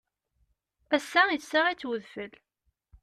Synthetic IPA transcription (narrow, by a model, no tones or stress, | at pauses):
æsːæisːaʁit͡sːwəðfəl